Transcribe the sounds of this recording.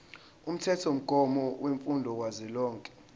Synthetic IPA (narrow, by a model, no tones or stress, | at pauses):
um̩tʰɛtʰom̩ɡ̥ʱɔmɔweɱfundʱɔkwazɛlɔːŋkʼɛ̥